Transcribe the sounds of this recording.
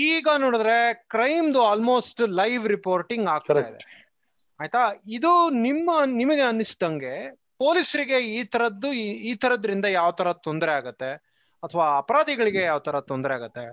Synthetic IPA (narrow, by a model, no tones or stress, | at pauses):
iːɡɐnoːɽud̪ɾe̞kɾɐjmd̪uaːlmo̞ːsʈlɐjʋɾipoːɾʈiŋɡaːɡ̚t̪aːid̪e | aːjt̪aid̪unimːɐnimɐɡeɐnːisd̪ɐŋɡe̞ | po̞ːlisɐɾiɡe̞iːt̪ʰɐɾɐd̪ːuiːt̪ʰɐɾɐd̪ɐɾind̪ɐjaːʋɐt̪ʰɐɾɐt̪ond̪ɐɾeaːɡɐt̪ːe̞ | ɐt̪ʰːɐʋaːɐpɐɾaːd̪iɡɐɭiɡe̞jaːʋɐt̪ʰɐɾɐt̪ond̪ɾɛaːɡɐt̪ːe̞